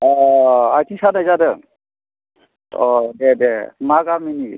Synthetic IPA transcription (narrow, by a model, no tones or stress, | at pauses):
ɔatʰisadajzadə | ɔbɛbɛmaɡamini